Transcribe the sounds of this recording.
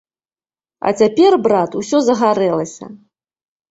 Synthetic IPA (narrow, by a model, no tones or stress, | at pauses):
ɐ̰t͡sʲapʲɛrbɾat̪usʲɔzɐɣaɾɛlˠɐsʲɐ̰